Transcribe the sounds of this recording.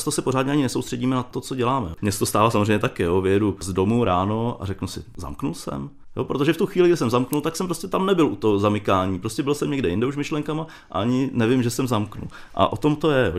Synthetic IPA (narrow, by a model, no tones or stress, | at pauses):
st̪osɛpo̞ɾaːdɲɛaɲɪnɛsowst̪r̥ɛɟiːmɛnat̪ot͡soɟɛlaːmɛmɲɛsɛt̪ost̪aːvasamozreɛjɲɛt̪akɪjovɪjɛduzdo̞muɾaːno̞a̰rɛknusɪ̰za̰mknulsɛ̰m | jo̰pɾot̪oʒɛft̪uxʋiːlɪɡdɪsɛmzamknult̪aksɛmpɾoscɛt̪amnɛbɪlʔut̪oɦozamɪkaːɲiːpɾoscɛbɪlsɛmɲɛɡdɛjɪndɛuʃmɪʃlɛŋkama | ʔa̰aɲɪnɛvɪmʒɛsɛmzamknṵl | ʔa̰ʔo̞t̪o̞mt̪o̞jɛjoː